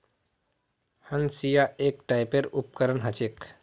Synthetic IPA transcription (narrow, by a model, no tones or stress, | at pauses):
hənsijaeːkʈaɪpeɾup̚kəɾənɦət͡ʃek